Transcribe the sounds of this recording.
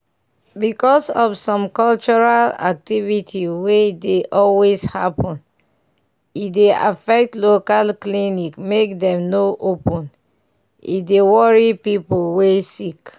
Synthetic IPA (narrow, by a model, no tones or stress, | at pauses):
bikɔsɔfsɔ̃mkɔlt͡ʃɔɹala̰k̚tivitʰiwedeʔɔlweshapʰɔ̃n | itdea̰fɛk̚tlokalklinikmekdɛ̃mnoʔopɔ̃n | ḭdewɔɹipipolwesik